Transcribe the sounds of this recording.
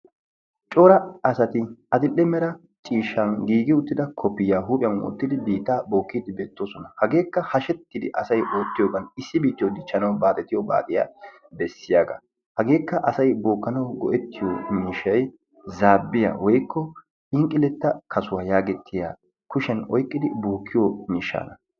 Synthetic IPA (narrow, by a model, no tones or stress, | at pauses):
t͡ʃʼoːɾɐɐsɐt̪ɪɐd̪ɪlʔːɛmɛɾɐ | t͡ʃʼiːʃːɐnɡiːɡɪʊt̪ːɪd̪ɐkʰɔpːɪjaːɦuːpʼɪjɐmʊ̰t̪ːɪd̪ɪbiːt̪ːaːbo̞ːkːiːd̪ɪbeːt̪ːoːsɔnɐhɐɡe̞ːkːɐhɐʃɛt̪ːɪd̪ɪ̰ʔɐsɐjʔoːt̪ːɪjoːɡɐnɪsːɪbiːt̪ːɪjɔd̪ɪt͡ʃːɐnɐwbaːt̪ʼɛt̪ɪjɔba̰ːt̪ʼɪja̰ | bɛsːɪjaːɡɐ̰ | hɐɡe̞ːkːɐʔɐsɐjboːkːɐnɐwɡɔ̰ʔɛt̪ːɪjomiːʃːɐj | zaːbːɪja̰ːwɔjkʰːɔ | ɪŋkʼɪlɛt̪ːɐkʰɐsʊwaːjaːɡɛt̪ʰːɪja̰ː | kʊʃɛnɔjkʼːɪd̪ɪboːkːɪjomiːʃːa̰ːnɐ